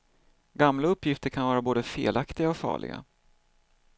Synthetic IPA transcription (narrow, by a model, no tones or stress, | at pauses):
ɡamlaɵpːjɪft̪əɾkʰanvɑːɾaboːd̪əfḛːlakt̪ɪɡaɔfɑ̰ːɭɪ̰ɡa̰